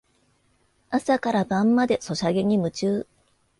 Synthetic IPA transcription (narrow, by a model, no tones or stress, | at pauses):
asakaɾabãmːad̪e̞so̞ɕaɡe̞ɲ̟imɯ̟t͡ɕɨː